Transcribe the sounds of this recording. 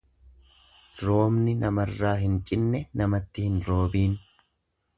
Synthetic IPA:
ɾo̞ːmnɪnɐmɐrːaːɦɪnt͡ʃʼɪnːɛnɐmɐt̪ːɪhɪnɾo̞ːbiːn

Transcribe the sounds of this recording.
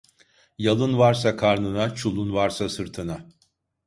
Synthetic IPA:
jalˠɯnvaɾsakʰaɾnɯnat͡ʃʰulˠunvaɾsasɯɾt̪ʰɯna

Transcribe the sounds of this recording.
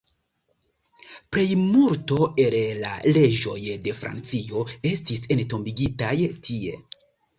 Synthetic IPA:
pɾe̞jmuɾto̞e̞lla̰le̞d͡ʒo̞jde̞fɾa̰nt͡sio̞e̞stise̞nto̞mbiɡitajtʰie̞̰

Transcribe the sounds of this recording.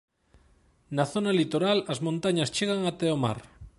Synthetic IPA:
naθonalit̪oɾalɐzmõnt̪aɲast͡ʃeɣaŋat̪eoma̰ɾ

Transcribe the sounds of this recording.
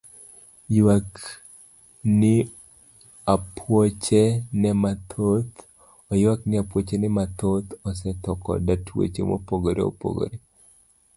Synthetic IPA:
jwak | nɪ | apʰwot͡ʃenɛmat̪ʰot̪ | ɔjwaknɪapwot͡ʃenɛmat̪ot̪ɔsɛtɔkɔ̰datwḛt͡ʃḛmo̰poɡoɾḛo̰po̰ɡo̰ɾe

